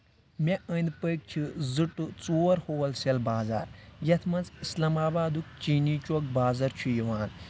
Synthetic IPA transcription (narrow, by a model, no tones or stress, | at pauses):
mʲeʔənd̪pəjk̚t͡ʃʰizɨʈɨt͡soːɾhoːwɐlsʲɐlbaːza̰ːɾjɐt̪ʰmɐnt͡sislɐmaːbaːd̪uk̚t͡ʃiːniːt͡ʃɔk̚baːzɐɾt͡ʃʰujɐʋaːn